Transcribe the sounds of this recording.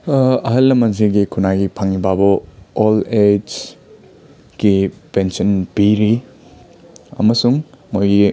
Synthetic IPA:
ɐɦɐlːɐmɐnziɡikʰunaɡipʰaŋibabɔoled͡ʒ | ɡ̥ipensɔnpiɾi | ɐ̰mɐsuŋmojɡi

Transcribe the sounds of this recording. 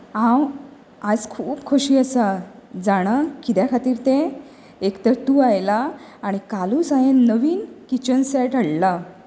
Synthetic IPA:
ãw | ad͡zkʰuːpkʰoɕiːəsad͡zaɽ̃akit̪jakʰat̪iːɾt̪ẽ | ekt̪əɾt̪uːajlaːɽ̃ikaluːsãjenːəʋiːnkit͡ɕənsɛʈəɽla

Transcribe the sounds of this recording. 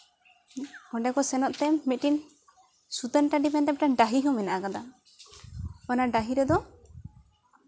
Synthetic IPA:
ɔɖɛkɔsɛnɔʔ̪t̪ɛmit̪̚ʈin | sut̪ənʈaɖimɛnt̪ɛpɛʈaɖaɦiɦɔmɛnaʔakad̪a | ɔnaɖaɦiɾɛd̪ɔ

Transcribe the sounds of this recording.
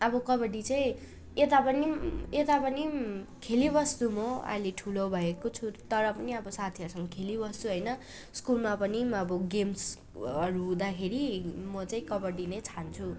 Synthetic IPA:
ʌbʌkʌbʌɽit͡saĩ | et̪apʌniet̪apʌnikʰelibʌst̪umʌa̰jleʈʰulobʱʌekot͡sʰut̪ʌɾʌpʌniʌbʌsat̪ʰiʌɾusʌŋɡʌkʰelibʌst̪uɦʌjnʌ | skulmapʌniʌbʌɡems | ʌɾuɦũd̪akʰeɾimʌt͡saĩkʌbʌɖinʌjt͡sʰant͡sʰu

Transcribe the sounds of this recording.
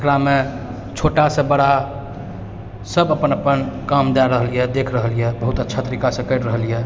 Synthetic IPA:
kɾame | t͡ʃʰoʈasẽbəɽ̤a | səbəpənəpənkamd͡ʒ̪aɾəɦəlijɛd̪ekʰɾəɦəlijɛbəɦut̪ətːʃʰat̪əɾikasə̃kəɪʈɾəɦəlijɛ

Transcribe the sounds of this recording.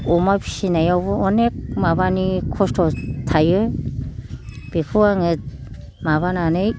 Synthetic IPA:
ɔmapʰi̥sinajawbɯɔnek̚mabanikʰɔstʰɔtʰajɯ | b̥ikʰɯwaŋɯt̚ | maβananɯj

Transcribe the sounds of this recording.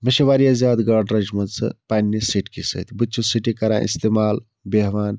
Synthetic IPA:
mɐʃeʋaːɾijazʲjaːd̪ɡaːɾɖɾɐd͡ʒmɐd̪sɐ̰paːnːisiʈkisɐ̰t̪ʰbɨt͡ʃʰusiʈikɐɾã̰ːʔḭst̪eːmaːl | beɦʋaːn

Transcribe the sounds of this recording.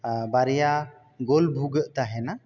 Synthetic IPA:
baɾɛja | ɡɔlbʱuɡəʔt̪aɦɛna

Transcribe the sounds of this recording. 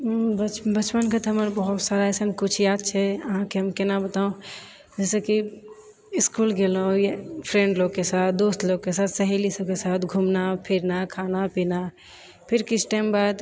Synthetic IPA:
bət͡ʃbət͡ʃpənkʰət̪ʰɦəməɾbəɦʊt̪saɾaɛsənkʊt͡ʃʰjaːd̪̚t͡ʃʰɛəɦãkeɦəmkenabət̪aũ | d͡ʒɛːseki | ɪskuːlɡelõjepʰɾẽːɳɖloɡkesaːt̪̚ʰd̪oːst̪loːɡ̚kːesaːt̪ʰsəɦelisəbkesaːt̪ʰɡʱumnapʰiɾnakʰaːnapina | pʰɪɾkɪt͡ʃʰʈaɪmbad̪

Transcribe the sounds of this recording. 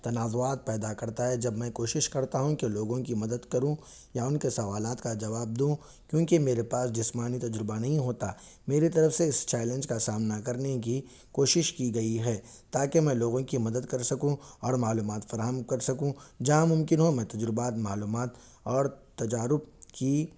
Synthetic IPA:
t̪ɐnaːzʊaːt̪̚pɛːd̪akɐɾt̪aɦɛd͡ʒɐbmɛ̃koːʃɪʃkɐɾt̪aɦũkeloːɡõkimɐd̪əd̪kɐɾũ | jaʊnkesɐʋaːlaːt̪kad͡ʒɐʋaːb̚d̪ũː | kjõːkemeːɾepaːsd͡ʒɪsmaːnit̪ɐd͡ʒɾɪbanɐɦĩɦoːt̪a | meːɾit̪ɐɾəfseɪst͡ʃɛːlɛ̃nd͡ʒkasaːmnakɐɾnek̬i | koːʃɪʃkiɡɐiɦɛːt̪aːkemɛ̃ːloːɡõkimɐd̪əd̪kɐɾsɐkũɔːɾmaːluːmaːt̪fɐɾaːɦəmkɐɾsɐkũd͡ʒɐɦãmʊ̃mkɪnɦomɛ̃ːt̪ɐd͡ʒɾɪbaːt̪maːluːmaːt̪ | ɔːɾt̪ɐd͡ʒaːɾʊb̚ki

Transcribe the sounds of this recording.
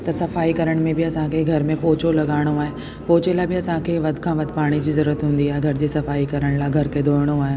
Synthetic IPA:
t̪ɐsɐfaːikɐɾəɽ̃mẽbɪɐsãkʰeɡʱɐɾmẽpoːt͡ɕolɐɠaːɪɽ̃oaːɦe | poːt͡ɕelaːbɪɐsãkʰeʋɐd̪ʱkʰãːʋɐd̪ʱpaːɽ̃id͡ʑiːzɐɾuːɾət̪ɦũːnd̪iaːɦeɡʱɐɾd͡ʑeːsɐfaːikɐɾəɽ̃laːɡʱɐɾkʰed̪ʱoːɪɽ̃oaːɦej

